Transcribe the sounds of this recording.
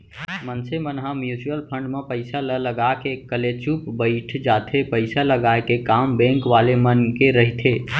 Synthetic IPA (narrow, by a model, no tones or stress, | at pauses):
mənsemənɦãmjut͡ʃiəlpʰə̃ɳɖmẽpəɪsalələɡakekəlet͡ʃupbəɪʈʰd͡ʒaːt̪ʰepəɪsaləɡaekekaːmbɛ̃ŋkʋaːlemənkeɾəɦit̪ʰe